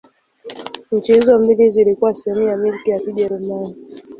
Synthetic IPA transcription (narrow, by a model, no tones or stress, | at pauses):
m̩t͡ʃɛzɔmbilizilikuwasiɛmijamilkijakiʄɛɾumani